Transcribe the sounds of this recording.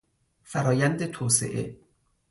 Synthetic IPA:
fæɾɒːjænd̪et̪ʰoːsḛʔḛ

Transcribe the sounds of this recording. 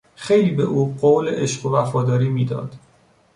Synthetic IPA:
xejliːbe̞ʔuːɢoːwleʔeʃɢovæfɒːd̪ɒːɾiːmiːd̪ɒ̰ːd̪̥

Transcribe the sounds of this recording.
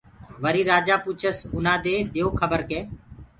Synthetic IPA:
ʋəɾiːɾaːd͡ʒaːpʊt͡ʃʰəsʊnãːd̪eːd̪ɪjoːkʰəbəɾkeː

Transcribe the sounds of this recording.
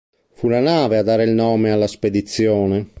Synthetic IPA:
fulanaːvead̪ːaːɾeilnɔːmealːasped̪it̪sːjɔːne

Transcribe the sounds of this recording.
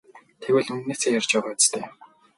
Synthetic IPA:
t̪ʰeɣwɘ̆ɮɵnneːseːjarʲt͡ɕpæːʁaːʊt͡st̪ʰeː

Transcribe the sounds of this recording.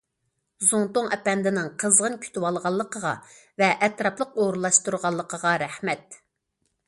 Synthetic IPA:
zuŋt̪oŋɛpɛnd̪ɪnɪŋqʰəzʁənkʲʰy̥t̪ʰɪwɑlˠʁɑlˠːəqəʁɑ̰vɛʔɛt̪ɾɑplˠəqoɾlˠːɑʃt̪uɾʁɑlˠːəqʰəʁɑɾɛhmɛt̪

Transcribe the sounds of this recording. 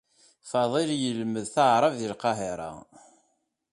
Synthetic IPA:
fɑðˤiljəlməðθəʕɾˤəvðilqɑɦeɾˤɑ̰

